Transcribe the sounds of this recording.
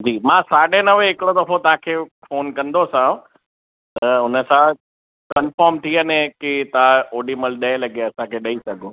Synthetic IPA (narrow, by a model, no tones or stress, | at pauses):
d͡ʑiːmãːsaːɗenɐʋeɦɪkɪɽod̪ɐfot̪ɐɦãkʰeːfoːnkɐ̃nd̪osãũ | t̪ɐʊnə̆sã | kɐnfɔːɾmt̪ʰiənẽkit̪ɐãoːɖiməlɗɐẽlɐɡeɐsãkʰeːɗɐisɐɡʱoː